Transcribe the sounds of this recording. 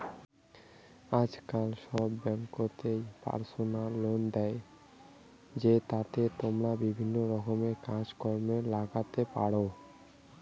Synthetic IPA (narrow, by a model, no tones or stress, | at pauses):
ad͡ʑkalʃɔbːɛŋkot̪ejpa̰ɾsonalːond̪ɛe | d͡ʑet̪at̪et̪omɾabibʱinːoɾɔɦomekad͡ʑkɔɾmelaɡat̪epa̰ɽo